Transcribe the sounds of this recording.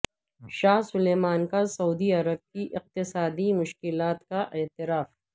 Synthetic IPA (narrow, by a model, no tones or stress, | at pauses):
ʃaːɦsʊleːmaːnkasɐuːd̪iɐɾəb̚kiʔɪq̚t̪ɪsaːd̪imʊʃkɪlaːt̪kaʔɛːt̪ɪɾaːf